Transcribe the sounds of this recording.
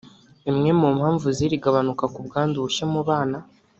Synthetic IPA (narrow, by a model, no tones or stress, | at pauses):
imŋe̞mumhaːɱvuziɾiɡaβanukakubɡaːnduuʃemuβaːna